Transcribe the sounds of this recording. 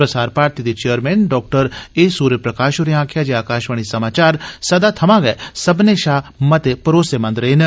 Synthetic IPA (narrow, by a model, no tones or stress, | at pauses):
pɾɐsaːɾpɾaːɾt̪id̪et͡ʃeəɾmɛːnɖɔːk̚ʈəɾeːsuːɾəpɾɐkaːʃʊɾiãːkʰjad͡ʒeaːkaːʃʋəɳ̃isɐmaːt͡ʃaːɾsɐd̪at̪ʰɐmãɡɐsɐbneʃaːmɐt̪epɐɾoːsemɐ̃nd̪ɾɐɦin